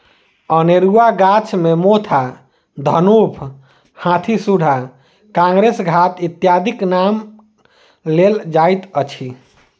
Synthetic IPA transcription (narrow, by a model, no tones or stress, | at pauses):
əneɾuaɡat͡ʃʰmemot̪ʰa | d̪ʱənupʰ | hãt̪ʰisuɽ̤a | kãŋɡɾesɡʱat̪it̪jad̪ʱiknam | leld͡ʒajt̪ət͡ʃʰi